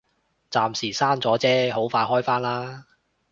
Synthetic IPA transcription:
t͡saː˨˧msiː˨˩saː˥nt͡sɔː˨˥t͡sɛː˥ɦo˨˥wfaː˧jɦɔː˥jfaː˥nlaː˥

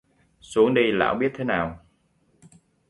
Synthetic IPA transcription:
su˨˦əŋɗi˧la̰ː˧˥wɓi˦˥ət̚t̪ʰe˨˦naː˨˩w

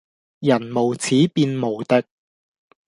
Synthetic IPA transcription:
jɐ˨˩nmo˨˩wt͡sʰiː˨˥piː˧nmo˨˩wt̪ɪ˥k̚

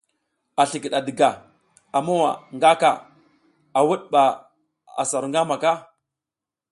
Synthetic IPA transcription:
a˨ɬi˨ki˨ɗa˨di˨ɡa˨ | a˨ma˦wa̰˨ŋɡa˦ka˨ | a˨wu˦ɗɓa˨ | a̰˨sa˨ɾŋɡa˦ma˨ka˦

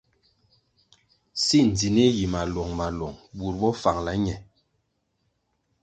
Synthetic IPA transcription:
si˦˨n̩˨di˨ne˦ji˨ma˨lɔ˨ŋma˨lɔ˨ŋbu˨ɾbɔ˦fa˨ŋla˨˦ɲɛ˨

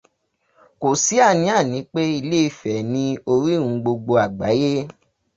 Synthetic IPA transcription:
ko˨si˨˦a˦˨nĩ˨˦a˦˨nĩ˨˦k͡pe˦i˧le˦i˧˨fɛ˨nĩ˧o˧ɾi˦ŋ̩̃˨˧˦ɡ͡bo˧ɡ͡bo˧a˨ɡ͡ba˨˦je˦

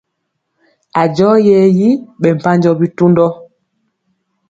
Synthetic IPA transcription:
a˨d͡ʒɔ˦jɛ˦˨ji˦ɓɛ˨m̩˨pa˦ɲd͡ʒɔ˦bi˦tu˦ndɔ˦

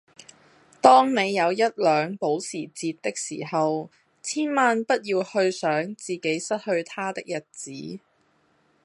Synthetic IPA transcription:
t̪ɔː˥ŋne˨˧jːɐ˨˧wjɐ˥t̚lœː˨˧ŋpo˨˥wsiː˨˩t͡siː˧tt̪ɪ˥k̚sḭː˨˩hɐ˨w | t͡sʰiː˥nmaː˧npɐ˥t̚jiː˧whɵ˧ɥsœː˨˥ŋt͡siː˨ke˨˥jsɐ˥t̚hɵ˧ɥt̪ʰaː˥t̪ɪ˥k̚jɐ˨˩t̚t͡siː˨˥

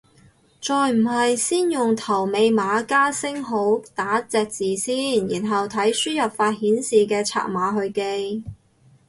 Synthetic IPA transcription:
t͡sɔː˨jm̩˨˩ɦɐ˨jsiː˥njʊ˨ŋt̪ʰɐ˨˩wme˧jmaː˨˧kaː˥sɪ˥ŋɦo˨˥wt̪aː˨˥t͡sɛː˨k̚t͡siː˨˩siː˥njiː˨˩nɦɐ˨wt̪ʰɐ˨˥jsyː˥jɐ˨p̚faː˧t̚hiː˨˥nsiː˨kɛː˧t͡sʰa̰ː˨˩t̚maː˨˥ɦɵ˧ɥke˧j

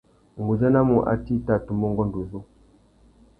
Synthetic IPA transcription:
ŋ˨ɡu˨za˦na˦mu˨ʔa̰˦ti˦ta˦˨tu˨mbɔ˦ŋɡɔ˦n˨du˨zo˦

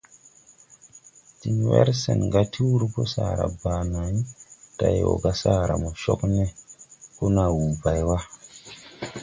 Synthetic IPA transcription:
ti˨nwḛ˦ɾsḛ˨nɡa˦ti˦wu˦ɾpo˦sa˨ɾa̰˨ba˨na˨˦ta˨jo̰˨ɡa˦sa˦ɾa˨mo˨ʃo˦kne˦ko˦na˨wu˨ba˨jwa˦

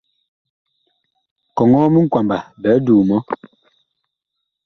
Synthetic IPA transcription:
kɔ˨ŋɔ˦mi˦ŋ̩˦˨kwa˨mba˨bɛ˨˦duː˨mɔ˦

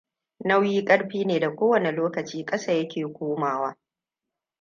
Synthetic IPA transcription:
na˦wjiː˦kʼɐ˦ɽɸiː˦neː˨da˨kʷoː˦wɐ˨ne˨loː˦kɐ˨t͡ʃiː˦kʼɐ˦sa˦˨jɐ˦kʲeː˨kʷoː˦maː˨waː˦

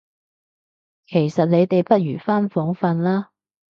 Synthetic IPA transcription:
kʰe˨˩jsɐ˨t̚le˨˧jt̪e˨jpɐ˥t̚jyː˨˩faː˥nfɔː˨˥ŋfɐ˧nlaː˥

